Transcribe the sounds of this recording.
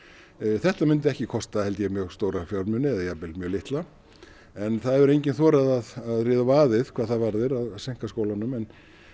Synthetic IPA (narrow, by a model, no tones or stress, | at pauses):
θɛht̪amʏnt̪ɪɛhcɪkʰɔst̪ahɛlt̪jɛmjœːɣst̪oːwɾafjɔwɾmʏnɪɛðajapɪlmjœːlɪht̪la | ɛnθaðɛvɛɾejɲcɪnθɔːɾaðaðaðrɪːðavaːðɪð̥kʰvaːðθaðvaɾðɪɾaðseŋ̥kaskowlanʏmɛn